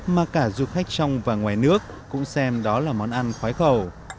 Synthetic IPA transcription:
maː˨˩kaː˧˩zu˧xa˦˥jk̟̚t͡ɕɔ˧wŋ͡mvaː˨˩ŋwaː˨˩jnɨ˦˥ək̚ːʊ̰˧˥ŋ͡msɛ˧mɗɔ˨˦laː˨˩mɔ˨˦nʔa˧nxwaː˨˦jxə˨˩w

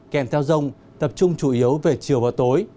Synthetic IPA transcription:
kɛ˧˩mt̪ʰɛ˧wzə˧wŋ͡m | t̪ə˨˩p̚t͡ɕʊ˧ŋ͡mt͡ɕu˧˩ʔi˨˦əwve˨˩t͡ɕɨ˨˩əwvaː˨˩t̪o˨˦j

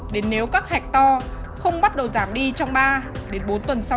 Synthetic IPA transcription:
ɗe˨˦nːe˨˦wkaː˦˥k̚hɛ˨˩k̚t̪ɔ˧ | xə˧wŋ͡mɓa˦˥t̚ɗə˨˩wzaː˧˩mɗi˧t͡ɕɔ˧wŋ͡mɓaː˧ɗe˨˦nɓo˨˦nt̪wə˨˩nsa˧

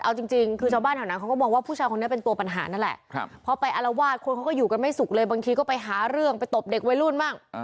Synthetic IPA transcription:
ʔa˧wt͡ɕi˧ŋt͡ɕi˧ŋkʰɯː˧t͡ɕʰaː˧baː˥˩nhʰɛ˨˩wnaː˦˥kʰa˦˥kːɔ˥˩mɔː˧ŋwaː˥˩pʰuː˥˩t͡ɕʰaː˧kʰo˧ni˦˥ɐpe˧nt̪u˧ɐpa˧nɦaː˩˦na˥˩nlɛ̰˨˩ʔpʰɔ˦˥pa˧jʔa˧la˧waː˥˩t̪̚kʰo˧nkʰa˦˥wkɔː˥˩juː˨˩ka˧nma˥˩jsu˨˩k̚lɤː˧jbaː˧ŋt̪ʰiː˧kɔː˥˩pa˧jɦaː˩˦ɾɯ˥˩əŋpa˧jt̪o˨˩p̚de˨˩k̚wa˦jlu˥˩nmaː˥˩ŋ̚

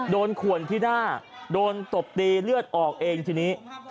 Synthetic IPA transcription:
doː˧nkʰu˨˩ənt̪ʰiː˥˩naː˥˩doː˧nt̪o˨˩p̚t̪iː˧lɯ˥˩ət̪̚ʔɔː˨˩k̚ʔeː˧ŋt̪ʰiː˧niː˦˥

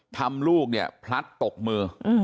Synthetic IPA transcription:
t̪ʰa˧mluː˥˩k̚ni˥˩əpʰla˦˥t̪ːo˨˩k̚mɯː˧ʔɯ˧˩

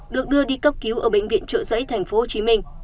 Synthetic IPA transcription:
ɗɨ˨˩ək̚ɗɨ˧əɗi˧kə˦˥p̚ki˨˦wʔəː˧˩ɓḛ˧˨jŋ̟vḭ˧˨ənt͡ɕə̰ː˧˨zə̰ː˧˥jt̪ʰa˨˩jŋ̟fo˨˦ho˨˩t͡ɕi˨˦mï˧ŋ̟

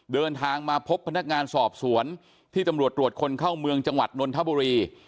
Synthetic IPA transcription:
dɤː˧nt̪ʰaː˧ŋmaː˧pʰo˦˥pʰːa˧na˦˥k̚ŋaː˧nsɔː˨˩p̚su˩˦ən | t̪ʰiː˥˩t̪a˧mɾu˨˩ət̪ːɾu˨˩ət̪̚kʰo˧nkʰaː˥˩wmɯ˧əŋt͡ɕa˧ŋwa̰˨˩t̪̚no˧nt̪ʰa˦˥buː˧ɾiː˧

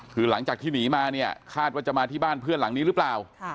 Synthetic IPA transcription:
kʰɯː˧la˩˦ŋt͡ɕaː˨˩k̚t̪ʰiː˥˩niː˩˦maː˧ni˥˩ɐkʰaː˥˩t̪̚waː˥˩t͡ɕa˨˩ʔmaː˧t̪ʰiː˥˩baː˥˩npʰɯ˥˩ənla˩˦ŋniː˦˥ɾɯ˦˥plaː˨˩wʰ

